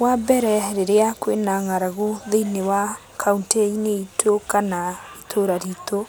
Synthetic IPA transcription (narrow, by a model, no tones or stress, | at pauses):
wabɛɾɛɾeɾeakwenaŋaɾaɣoðeinewakʰaunteineitʰokanaitʰoɾaɾito